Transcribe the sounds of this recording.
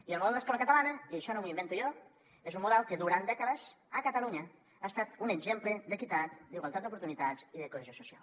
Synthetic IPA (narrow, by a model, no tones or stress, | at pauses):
ielmoolˠd̪əeskɔlɐkat̪alanɐieʃɔnõmuimbent̪ujo | ezumuðɛlˠkeðuɾand̪ɛkəðəz | akat̪aluɲə | aest̪at̪uneɡzempled̪ekit̪at̪d̪iɣwalˠt̪at̪d̪up̬uɾt̪unit̪aziðekoezosusia̰l